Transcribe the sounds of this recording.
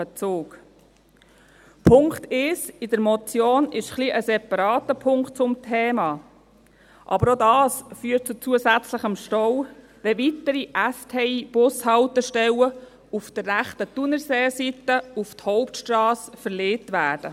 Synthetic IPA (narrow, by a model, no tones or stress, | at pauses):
ət͡suːk | pʰʊŋkt̪ɪsɪdəɾmɔt͡sjoːnɪʃχliʔəsɛpɑɾɑːt̪əpʰʊŋkt̚t͡sʊmtʰɛːmɑː | ʔɑ̰bəɾodɑːsfyːət̚t͡sut͡suəsæt͡sləχəmʃtɔw | ʋɛʋit̪əɾiʔæstʰɛiːb̥ʊshɑwt̪əʃtɛwə | ufd̥ərːæχtətunəɾseːsitəufthɔʊptʃtrɑːsfəɾleːtʋæːd̥ə